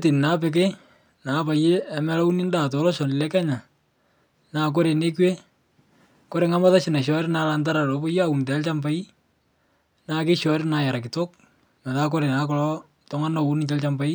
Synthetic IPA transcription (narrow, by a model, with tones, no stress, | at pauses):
te˨n˨na˨˦p̬ɛk̬e˦ | na˨˦pa˨je˦ɛ˨mɛ˦la˦u˦ni˦nda˨to˨lɔ˦ʃɔ˨nɪ˨lɛ˦kɛ˦ɲa˨ | naː˨k̬o˦ɾe˨ne˦kwe˦ | ko˦ɾe˨˦ŋa˦ma˦ta˦ʃɪ˨na˨ʃɔ˦ɾɪna˦la˨nta˦ɾa˨lo˨˦bo˦ja˦u˨nt̬ɛ˨˦lt͡ʃa˦mpa˦i˦ | naː˦ke˦ʃɔ˨ɾɪna˦ja˨ɾa˨kɪ˨to˦k̚ | mɛ˨ta˦k̬o˦ɾe˨na˨kɔ˨lɔ˦ | tɔ˦ŋa˦no˨u˦n˨t͡ʃɛ˦lt͡ʃa˦mpa˦i˦